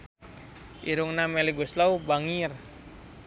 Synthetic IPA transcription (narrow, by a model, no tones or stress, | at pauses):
ʔiɾuŋnamɛliɡuslaubaŋir